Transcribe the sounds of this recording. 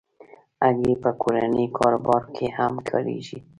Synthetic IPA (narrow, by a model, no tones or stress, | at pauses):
aɡepəkʰoɾanikʰɑɾobɑɾkʰehamkʰə̰ɾḛʒi